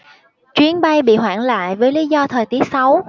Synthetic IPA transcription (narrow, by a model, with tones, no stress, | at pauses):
t͡ɕwi˨˦ənɓa˧jɓḭ˧˨ɦwa̰ː˧˨nla̰ː˧˨jvəː˨˦jli˨˦zɔ˧t̪ʰəː˨˩jt̪i˨˦ək̚sa˨˦w